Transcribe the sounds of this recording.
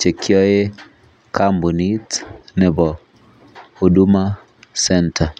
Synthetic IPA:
t͡ʃe˨kʰjɔ˦e˦ | kʰambu˨nitnɛ˨bɔ | hu˨du˦ma˦ | sɛ˦ntʰa˨

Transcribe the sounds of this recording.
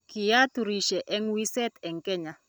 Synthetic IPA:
kɪ˨ja˦t̪u˨ɾi˨ʃɛ˨ʔɛ˦ŋwi˦sɛ˦t̪ɛ˨ŋkɛ˦ɲa˨

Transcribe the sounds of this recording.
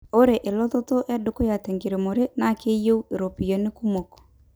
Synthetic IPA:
o˦ɾe˨ʔe˨lɔ˦ðɔ˦tɔ˦ʔɛ˦do˨ko˦ja˨tɛ˨ŋɡe˨ɾe˨mo˨ɾe˦na˦ke˦jo˦u˦e˨ɾo˨pi˨jɔ˨ne˦ku˦mɔ˨kɔ̥˨

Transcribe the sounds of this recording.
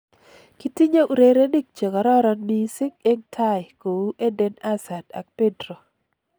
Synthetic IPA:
ki˦ti˦ɲa˦ʔu˨ɾe˦ɾe˦ni˦k̚t͡ʃe˨ɡa˨ɾɔ˦ɾɔ˦nmi˦sɪ˦k̚e˦ŋtʰa˦jko˨wu˦ʔe˦de˦na˦sa˨da̰˨k̚pe˦dɾo˨

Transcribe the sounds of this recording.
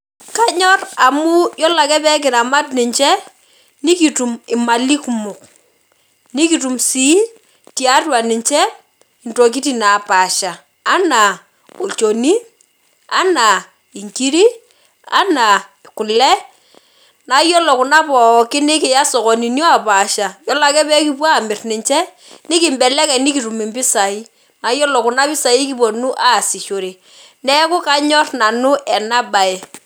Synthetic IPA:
ka˦ɲɔ˦ra˨mʊ˦jɔ˦la˨kɛ˦pɛ˦k̬ɪ˨na˨ma˦tnɪ˨ɲt͡ʃɛ˦ | ni˦ki˨tu˨mɪ˨ma˨li˦ku˨mʊ˨k̚ | ni˦ki˨tu˨msi˦ | tja˦twa˨nɪ˨ɲt͡ʃɛ˦ | ɪ˨nto˨k̬i˦ti˨na˨pa˨ʃaː˨˦ | na˨ | o˨t͡ʃo˨ni˦ | a̰˦na˨ | i˨ŋki˦ɾi˦ | a̰˦na˨ | kʊ˨lɛ˦ | na˨jɔ˦lɔ˨kʊ˨na˦pɔ˨kɪ˦nɪ˦kɪ˨ja˦sɔ˨kɔ˨ni˨njɔ˦a˨pa˨ʃa˨jɔ˦la˨kɛ˦pɛ˦ki˦p̬wa˦˨mɪ˨rnɪ˨ɲt͡ʃɛ˦ | nɪ˦kɪ˦˨mbɛ˨lɛ˦kɛ˨nɪ˦ki˨ɾu˨mi˨mbɪ˦sa˨i˦ | na˨jɔ˦lɔ˨kʊ˨na˦pɪ˦sa˨i˦ki˦p̬o˨nu˦ʔa˦˨si˨t͡ʃo˨ɾi˨ | nɛ˦kʊ˦ka˦ɲɔ˦rna˨nʊ˦ʔɛ˨na˦ba˨e˨

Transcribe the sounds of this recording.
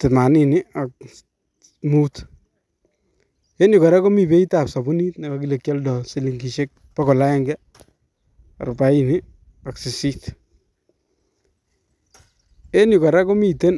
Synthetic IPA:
tɪ˨ma˨ni˨ni˦a˨k̚ | mut | e˦nʊ˨kɔ˨ɾa˦ko˦mi˨be˦ita˨psɔ˨bu˦ni˦tna˨ka˨k̬i˦le˨kjɔ˦ldɔ˨si˦li˨ŋɡi˨ʃe˦k̚ | pakɔ˨la˦ɛ˦ŋɡɛ | a˨ɾʊ˨pa˦ini˦ | a˨ksi˨sit | e˦nji˨kɔ˨ɾa˦ko˦mi˨te˦n

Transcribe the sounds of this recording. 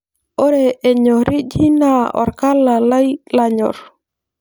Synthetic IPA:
ɔ˦ɾe˨ʔe˨ɲɔ˨ɾi˦d͡ʒi˦na˦ɔ̰˨ɾka˦la˨la˦jla˨ɲɔ̰˨ɾ

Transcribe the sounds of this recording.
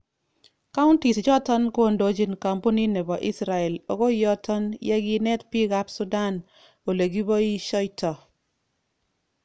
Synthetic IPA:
ka˦ʊ˦nti˨sd͡ʒɔ˦tɔ˦nko˦ndo˦d͡ʒi˦nka˨mpo˦ni˦ne˨bɔ˨ʔi˦sɾa˨ɛ˨lo˨ɡo˦jɔ˦tɔ˦njɛ˦ɡɪ˦nɛ˦tpi˦ɡa˦psu˦da˦˨n | o˨le˨ɡi˦bɔ˦i˦ʃɔ˦jtɔ˨

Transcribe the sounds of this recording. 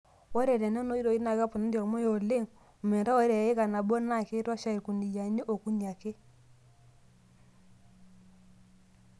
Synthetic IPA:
wɔ˦ɾɛ˨ɾɛ˨no˦no˦i˦ɾo˨i˦na˨ka˦pʊ˨na˦ndɔ˨ɾmo˦jo˨le˦ŋ | u˨me˨ɾa˦wo˦ɾe˨˦e˦ka˨na˨bo˦na˦ke˦ɾa˦ʃa˦i˨ɾku˨ni˨ja˨ɲo˦ʔo˨ku˦ɲa˨ke˦

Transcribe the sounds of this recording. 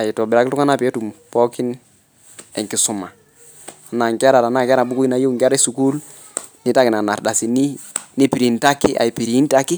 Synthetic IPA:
a˨ji˨tɔ˨bɪ˨ɾa˨kɪ˦tu˦ŋa˦na˦˨pɛ˦tu˨mpɔ˦ki˦n | ɛ˨kɪ˨sʊ˨ma˨ | na˨ŋkɛ˦ɾa˨ɾa˨na˦ŋkɾa˨bu˦ku˦i˦na˨jo˦˨ŋɡa˦ɾɛ˦su˨ku˦l | ni˦ta˦kɪ˨na˨na˨ɾda˨si˨ni˦ni˦pi˨ɾi˨nta˦kːi˦a̰˨i˨pi˨ɾi˨˦n˦ta˦ki˦

